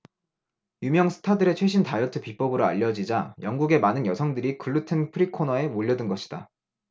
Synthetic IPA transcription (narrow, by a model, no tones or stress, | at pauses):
jumjʌŋsʰɯ̥tʰadɯɾe̞t͡ɕʰwe̞ɕʰintajʌtʰɯpip͈ʌbɯɾoa̰ʎːʌd͡ʑid͡ʑajʌŋɡuɡe̞manɯnjʌsʰʌŋdɯɾikɯɭːutʰenpʰɯɾikʰonʌe̞moʎːʌdɯnɡʌɕʰi̥d̥a̰